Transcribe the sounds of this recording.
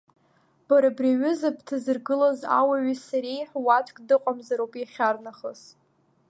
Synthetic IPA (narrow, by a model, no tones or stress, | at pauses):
b̥aɾabraɥʏzabʰtʰɨzɨrɡɨlaza̰waɥisaɾejħʷwat͡ʃʰʷʼkʲʼdɨqʷʼamzaɾowpʼjaχʲarnaχəz